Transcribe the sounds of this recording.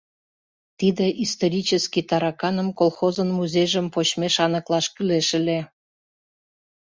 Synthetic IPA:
t̪id̪eʔist̪oɾʲit͡ɕəskit̪ɑɾɑkɑnəmkolˠxozənmuzʲejʒəmpot͡ɕmeʃɑnəklɑʃkyleʃəlʲe

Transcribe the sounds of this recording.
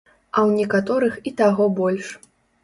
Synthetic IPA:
ɐwnʲɛkat̪ɔɾɨxit̪aɣɔbɔlʲʂ

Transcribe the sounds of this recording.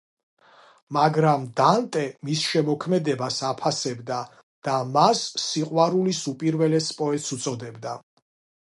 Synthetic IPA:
maɡɾamd̪ant̪ʼɛmisʃɛmɔkʰmɛd̪ɛbasapʰasɛbd̪a | d̪̥amasːiqʼwaɾulisupʼiɾvɛlɛspʼɔɛt̪ʼsut̪sʼɔd̪ɛbd̪a

